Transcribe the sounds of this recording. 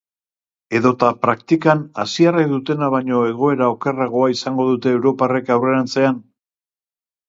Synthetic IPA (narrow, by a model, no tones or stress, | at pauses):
e̞ðo̞t̪apɾakt̪ikanasiarakd̪ut̪e̞naβ̞aɲo̞e̞ɣ̞o̞e̞ɾao̞ke̞raɣ̞o̞aisaŋɡo̞ðut̪e̞ːwɾo̞pare̞kawre̞ɾant͡se̞an